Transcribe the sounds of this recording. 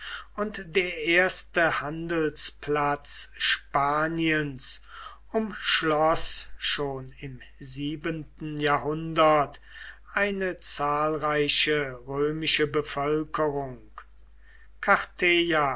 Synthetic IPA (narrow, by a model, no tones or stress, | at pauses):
ʊntdeːɐʔeːɐstəhandəl̩spʰlat͡sʃpaːniəns | ʊmʃlɔsʃoːnɪm | ziːbəntn̩jaːɦʊndɐt | ʔaɪnət͡saːlʁaɪʃəʁøːmɪʃəbəfœlkəʁʊŋk | kʰaʁtʰeja